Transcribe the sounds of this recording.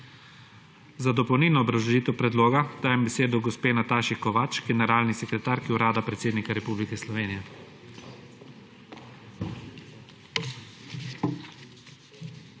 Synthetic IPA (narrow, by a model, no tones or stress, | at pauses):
zad̪ɔpɔwniːlnɔːbɾazɔʒiːt̪ɛwpɾɛd̪loːɡad̪̥aːjɛmbɛseːd̪ɔɡɔspeːnat̪aːʃikɔʋat͡ʃɡɛnɛɾaːlnisɛkɾɛt̪aːɾkiuɾaːd̪apɾɛt̪seːd̪nikaɾɛpublikɛslɔʋeːnijɛ